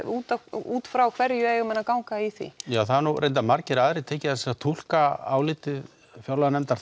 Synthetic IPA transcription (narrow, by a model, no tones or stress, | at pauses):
uːt̪auːt̪fɾawkʰv̥ɛɾjʏɛjɔmɛnːakawŋkaiθḭjaːwθaɾnuɾʔejnt̪amaɾcɪɾaːðɾɪt̪ʰɛːcɪθɛsaat̪ʰul̥kaa̰ːwlɪːt̪ɪð | fjawlanɛmt̪aɾ